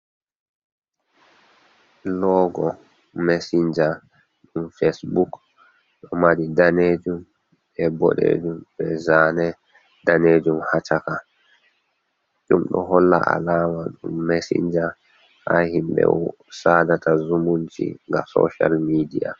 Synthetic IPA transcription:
lɔːɡɔ | mesiɲd͡ʒa | ɗumfesbuk | ɗɔmaɗidaneːd͡ʒum | ɛbɔ̰ɗḛd͡ʒumbɛzaːnɛ | daneːd͡ʒumhat͡ʃaka | d͡ʒumɗɔɦɔlːa̰ʔalaːmaɗumːesḭɲd͡ʒa | hahimɓɛ̰wɔ | saːdatazumunt͡ʃḭŋɡa̰sɔ̰ʃalmidia̰

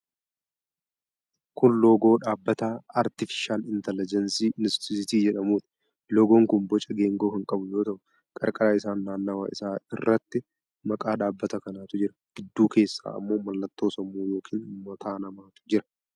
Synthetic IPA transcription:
kʊnlo̞ːɡo̞ːᶑaːbːɐt̪aaɾt̪ɪfɪ̥ʃaːnɪnt̪ɛlɪd͡ʒɛnsiːʔnɪst̪ɪsɪt̪iːd͡ʒɛᶑɐmuːt̪ɪ̥ | loːɡoːŋkʊnbɔt͡ʃʼɐɡe̞ːŋɡo̞ːhɪŋkʼɐbʊjoːt̪ɐʔʊ | kʼɐɾkʼɐɾaːɪsaːnːaːnːɐwa̰ːʔɪsaːɪ̰rːɐt̪ːɪ | mɐkʼaːɗaːbːɐt̪ɐkɐnaːt̪ʊd͡ʒɪɾɐɡ̥ɪd̪ːuːke̞ːsːa̰ːɐ̰mːo̞ːmɐlːɐt̪ːo̞ːsɐmuːjo̞ːkʰiːnmɐt̪ʰaːnɐmaːt̪ʊ̥d͡ʒɪɾɐ̥

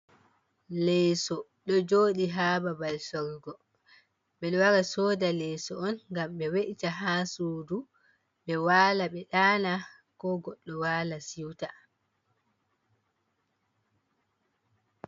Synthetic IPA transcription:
lɛsɔɗɔd͡ʒoːɗiɦaːbabalsɔɾɡɔ | ɓɛɗɔwaɾasɔːdalɛsɔɔnŋɡamɓɛweʔtaɦaːsuːdu | ɓɛwaːlaɓɛɗaːna | kɔɡɔɗːɔwalasiwta

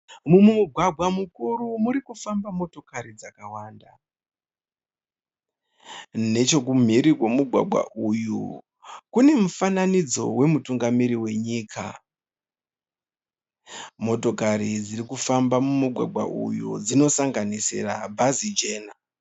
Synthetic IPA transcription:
mumumuɡʱwaɡʱwamukuɾumuɾikufambamo̞to̞kaɾid͡zakawaːnda | ne̞t͡ʃo̞k̬um̤iɾikwe̞muɡʱwa̰ɡʱwa̰ʔuju | kune̞mufananid͡zo̞we̞mutuŋɡamiɾiwe̞ɲiːkʰa̰ | mo̞to̞kaɾid͡ziɾikufambamumuɡʱwa̰ɡʱwa̰ʔṵjṵd͡zino̞saŋɡanisḛra̰bʱazid͡ʒe̞ːna

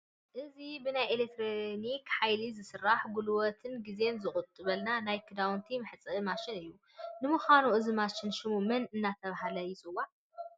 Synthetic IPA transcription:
ʔɨzibɨnajelek̚t̪ʰɾonikħajlizɨsɨrːaħɡulwɔt̪ʰɨnɡize̞nzɨχʼʊt̪ʼːɨβɐlnanajkʰɨd̪awnt̪ʰimɨħɨt͡sʼɨʔɨmaʃɪnɨjːu | nɨmuxanuʔɨzimaʃɪnʃɪmumɐnɨnːat̪ʰɐβahalɐjɪt͡sʼɨwa

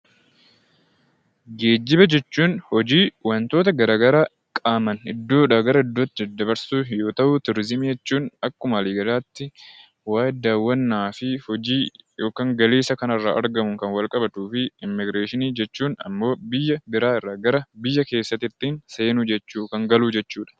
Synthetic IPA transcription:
ɡe̞ːd͡ʒːɪbɐd͡ʒɛt͡ʃːuːnhɔd͡ʒiːwɐnt̪o̞ːt̪ɐɡɐɾaːɡɐɾaː | kʼaːmɐnɪd̪ːo̞ːᶑaɡɐɾɐɪd̪ːoːt̪ːɪd̪ːɐbɐɾsuːjo̞ːt̪ɐʔʊːt̪ʊɾɪzɪmijɛt͡ʃːuːnɐkːʊmɐliːɡɐlaːt̪ːɪ | waːjɪd̪aːwːɐnːaːfɪhɔd͡ʒiːjo̞ːkaːŋɡɐleːsɐkɐnɐrːa̰ːʔɐ̰ɾɡɐmʊŋkɐnwɐlkʼɐbɐt̪uːfɪɪmːɪɡɾeːʃɪniːd͡ʒɛt͡ʃːuːnɐ̰mːo̞ːbɪjːɐbɪɾaːɪrːaːɡɐɾɐbɪjːɐke̞ːsːɐt̪ɪt̪ːiːnseːnʊd͡ʒɛt͡ʃːuːkɐŋɡɐluːd͡ʒɛt͡ʃːuːᶑɐ̥

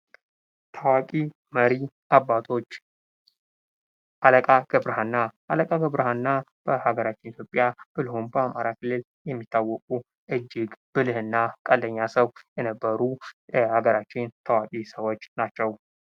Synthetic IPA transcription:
t̪ʰawakʼi | məɾiʔabːat̪ʰo̞t͡ʃː | ʔaləkʼaɡ̥ɨbɾhanːaʔːləkʼaɡəβɾhanːab̥əhaɡəɾat͡ʃːɪnit̪jo̞pʼjab̥ɨlhumbəamaɾakʰɨlːɨl | jɛmːit̪ːawːɔkʼu | ʔɨd͡ʒːɪɡb̥ɨlɨhɨnːakʼəld̪əɲːasəwjɛnəbːəɾujɛhaɡəɾat͡ʃːɪnt̪ʰawakʼisəwo̞t͡ʃːnat͡ʃːɛw

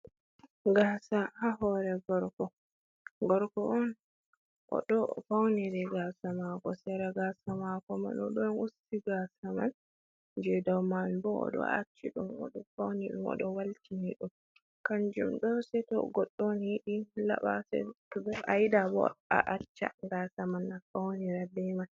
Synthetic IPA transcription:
ɡaːsahaɦɔɾɛɡɔɾkɔ | ɡɔɾkɔʔɔn | ʔɔ̰ɗɔfawnidɛɡasamakɔsɛɾaɡasamakɔma̰nɔɗɔnusːiɡasaman | d͡ʒɛdawmanbɔɔ̰ɗɔ̰a̰t͡ʃːiɗumɔ̰ɗɔfawniɗṵmɔ̰ɗɔwaltiniɗum | kand͡ʒumɗɔsɛtɔ̰ɡɔɗːɔnhiɗila̰ɓa̰sɛ̰tɔbɔʔajidabɔ̰a̰ʔat͡ʃːa̰ɡasamanafawniɾadɛman

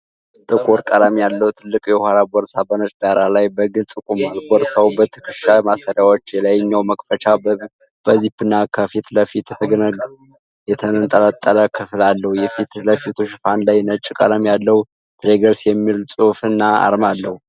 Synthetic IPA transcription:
t̪ʼɨkʼuɾkʼalamijalːəhut̪ʰɨlːɨkʼjɛhʷaɾabɔɾsabənət͡ʃd̪aɾalajbəɡɨlt̪ʼɨkʼumalbɔɾsawbət̪ʰɨ̥kʰɨʃamasəɾjawot͡ʃːjɛlajɪɲːawməkfət͡ʃa | b̥əzipːɨnːakʰəfit̪ləfit̪ɛt̪ʰəɡnəɡ | jɛt̪ʰənənt̪ʼəlat̪ʼːələkʰɨflalːəhujɛfit̪ləfit̪ʰuʃɪfanlajnət͡ʃʼːkʼalamijalːəhu | t̪ʰɾeɡəɾsjɛmːilsʼufɨnːaa̰ɾmalːəhu

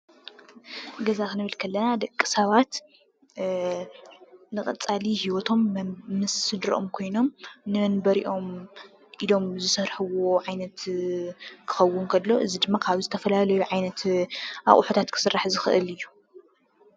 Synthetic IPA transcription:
ɡɐzakɨnɨβɨlkʰɐlːɐnad̪ɐkʼːisɐβat̪ | nɨxʼɐt͡sʼalihiwɔt̪ʰo̞mmɨsɨd̪ɾʔo̞̰mkʰo̞jno̞mnɨmɐnbɐɾiʔo̞m | ʔilo̞mzɨsɐɾħɨwo̞ʕajnɐt̪ | kʰɨ̥xɐwːʊnkʰɐlːo̞ʔɨzid̪ɨmːakʰaβzɨt̪ʰɐfɐlalɐjuʕajnɐt̪ʔa̰χʼħut̪ʰat̪kʰɨ̥sɨrːaħzɨxɨʔɨ̰lɨjːu

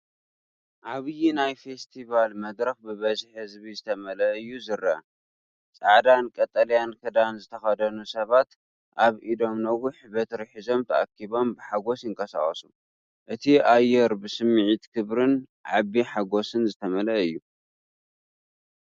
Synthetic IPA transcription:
ʔaβɨjinajfe̞st̪ʰiβalmɐd̪ɾɐxbɨβɐzħhɨzbizɨt̪ʰɐmɐlɐɨjːuzɨɾɐ | t͡sʼaʕd̪ankʼɐt̪ʼːɐlɐjankʰɨd̪anzɨt̪ʰɐxɐd̪ɐnusɐβat̪ | ʔaβʔid̪o̞mnɐwʊħbɐt̪ʰɾħizo̞mt̪ʰɐʔa̰kʰːiβo̞mbɨħaɡo̞sjɨŋkʰɐsa̰χʼɐsu | ʔɨt̪ʰiʔajːɛɾbɨsɨmːɨʕit̪kʰɨβɾɨn | ʕaβiħaɡo̞sɨnzɨt̪ʰɐmɐlɐʔɨjːu

